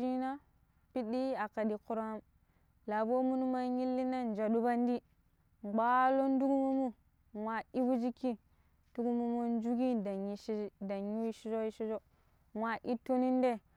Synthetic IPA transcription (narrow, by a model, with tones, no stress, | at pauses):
i˦na˦ | pi˦di˦a˨ka˨di˨ku˦ɾa˦m | la˨bo˦mu˦nu˦ma˦ɲi˦lːi˦na˦n˨d͡ʒa˨du˦ba˦n˦di˦ | ɡ͡ba˦lo˦n˦du˦ɡu˦mu˦mu˦ | wa˨i˦bu˦d͡ʒi˦ki˦ | tu˦ɡu˦mu˦mo˦n˦d͡ʒu˦ɡi˦da˨˦da˨ɲu˦i˦ʃi˦d͡ʒo˦i˦ʃi˦d͡ʒo˦ | wʷa˨ʔi˦to˦ni˦n˦de˦˨